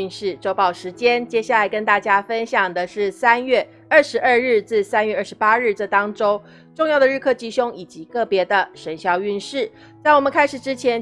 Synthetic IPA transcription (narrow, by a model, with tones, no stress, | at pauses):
nʂɻ̩˥˩ʈ͡ʂo˥ʊpɑ˥˩ʊʂɻ̩˧˥t͡ɕjɛ˥nt͡ɕjɛ˥ɕja˥˩la˨˥ɪkə˥nt̪a˥˩t͡ɕja˥fə˥nɕjɑ˨˩ŋd̪ə˦ʂɻ̩˥˩sa˥nɥɛ˥˧ | ə˥˩ʂɻ̩˧˥ʔə˥˧ɻɻ̩˥˧t͡sɹ̩˥˩sa˥nɥɛ˥˧ʔə˥˩ʂɻ̩˧˦pa˥ɻɻ̩˥˩ʈ͡ʂə˥˩t̪ɑ˥ŋʈ͡ʂo˥ʊ | ʈ͡ʂʊ˥˧ŋjɑ˥˩ʊd̪ə˩ɻ̩˥˧kʰɤ˥˩t͡ɕi˥˩ɕʊ˥ŋi˨˩t͡ɕi˧˥kɤ˥˩pjɛ˧˥d̪ə˧ʂə˧˥nɕjɑ˥˧ʊy˥˧nʂɻ̩˥˩ | t͡sa˥˩ɪwɔ˨˩mə˨nkʰa˥ɪʂɻ̩˨˩ʈ͡ʂɻ̩˥t͡ɕʰjɛ˧˥n